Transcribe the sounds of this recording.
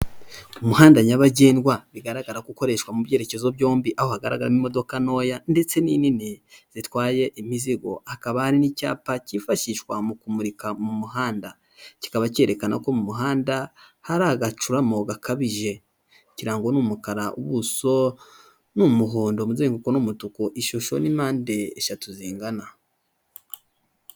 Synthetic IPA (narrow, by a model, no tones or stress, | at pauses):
umuhaːndaɲaβaɟeːnɡwaβiɡaɾaɡaɾaɡuko̞ɾe̞ʃwamuβje̞ːɾecezoβjo̞ːmbiʔaho̞haɡaɾa̰ɡaɾamimo̞do̞kano̞ːjande̞t͡se̞nininiz̥itwaːje̞ʔimiziɡo̞̰akaβahaɾinica̰ːpacifaʃiʃwamukumuɾikamumuɦaːnda | ci̥kaβace̞ɾe̞kana̰ko̞mumuɦaːnda | haɾaːɡat͡ʃuɾamo̞ɡakʰaβiʒe̞ | ciɾaːŋɡo̞numukaɾaʔṵβuso̞ | numuɦoːndo̞muzeːŋɡukonumutukoʔiʃoʃo̞nimaːnde̞ːʃatuziːŋɡana